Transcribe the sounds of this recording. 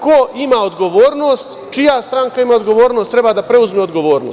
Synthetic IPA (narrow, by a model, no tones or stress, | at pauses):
koimaod̪ɡo̞ʋoːɾnoːst̪ | t͡ʃijast̪ɾaŋkaimaod̪ɡo̞ʋoːɾnost̪ɾebad̪apɾe̞uzmeod̪ɡo̞ʋoːɾnoːs